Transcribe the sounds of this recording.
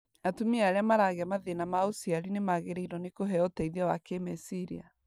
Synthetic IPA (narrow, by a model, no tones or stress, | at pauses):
atumiaɾeamaɾaɣeamaðenamaosiaɾinemaɣeɾeiɾɔnekoɦɛɔtɛiðawakemɛsiɾḭa̰